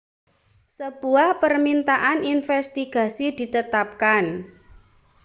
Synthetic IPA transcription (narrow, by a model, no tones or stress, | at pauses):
səb̥uahpərmint̪aʔaninfɛst̪iɡ̥ä̤sid̪̥i̤t̪ət̪ap̚kan